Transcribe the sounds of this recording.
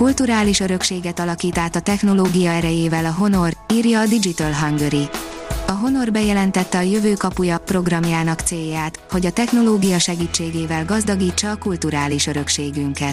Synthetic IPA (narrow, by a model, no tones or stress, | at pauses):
kult̪uɾaːliʃøɾø̞kʃeːɡɛt̪ɒlɒkiːt̪aːt̪ɒt̪ɛxno̞loːɡijɒɛɾɛjeːvɛlɒɦo̞no̞riːrjɒːd̪id͡ʒit̪ɒlɦɒŋɡøɾiɒɦo̞no̞rbɛjɛlɛnt̪ɛt̪ːɛɒjøvøːkɒpujɒpro̞ɡrɒmjaːnɒkt̪seːjːaːt̪ho̞ɟɒt̪ɛxno̞loːɡijɒʃɛɡiːt͡ʃːeːɡeːvɛlɡɒzd̪ɒɡiːt͡ʃːɒːkult̪uɾaːliʃø̞ɾø̞kʃeːɡyŋkɛt̪